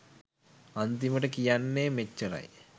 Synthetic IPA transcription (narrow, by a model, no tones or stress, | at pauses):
ɐnt̪iməʈəkijanːeːmet͡ʃːɐɾɐ̰j